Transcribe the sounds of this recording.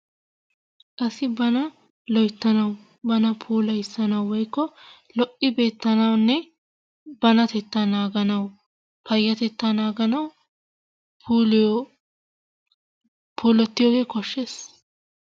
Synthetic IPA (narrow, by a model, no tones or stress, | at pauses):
kʼɐsɪbɐnɐ | lɔjt̪ːɐnɐw | bɐnɐpʰuːlɐjɪsːɐnɐwwɔjkːɔ | lɔʔɪbe̞ːt̪ːɐnɐwnːɛ | bɐnɐt̪ɛt̪ːanaːɡɐnɐw | pɐjːɐt̪ɛt̪ːanaːɡɐnɐw | puːl | pʰuːlɔt̪ːɪjɔːɡeːkɔʃːeːs